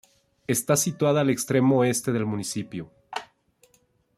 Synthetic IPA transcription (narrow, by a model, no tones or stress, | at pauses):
e̞st̪asit̪waðaːle̞kst̪ɾe̞mo̞e̞st̪e̞ðe̞lmũnisipjo